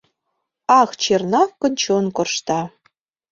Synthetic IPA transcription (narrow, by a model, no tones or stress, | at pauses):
ɑxt͡ɕernɑfkɤ̆nʲt͡ɕonkŏrʃt̪ɑ